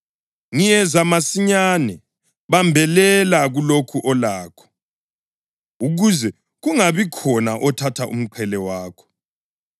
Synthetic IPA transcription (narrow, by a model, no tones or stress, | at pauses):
ŋijɛzamasiɲaːnɛ | βambʱɛlɛlaɣulokʰuʔɔlaːkʰɔ̥ | uɣuzɛ | ɣuŋaβikʰɔnaʔɔtʰatʰaʔṵm̩ǃʰɛlɛwaːkʰɔ̥